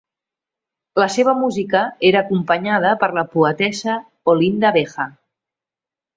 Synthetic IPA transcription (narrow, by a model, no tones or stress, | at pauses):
ləseβ̞əmuzikəeɾəːkumpəɲað̞əpəɾləpuət̪ɛsə | olind̪əβexə